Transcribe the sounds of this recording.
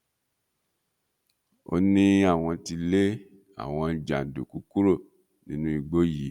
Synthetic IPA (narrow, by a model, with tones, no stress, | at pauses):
o̰˧nĩ˦a˦˨w̃ɔ̃˧ti˧le˦ | a̰˨w̃ɔ̃˧d͡ʒa˨du˨ku˨˦ku˦ɾo˦˨ | nĩ˦nũ˦i˧˨ɡ͡bo˦ji˨˦